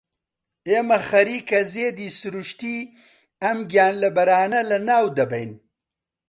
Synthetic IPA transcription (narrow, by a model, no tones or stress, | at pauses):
eːmɐxɐɾiːkɐzeːd̪isuɾuʃt̪i | ɐmɡʲjaːnlɐbɐɾaːnɐlɐnaːwd̪ɐbɐjn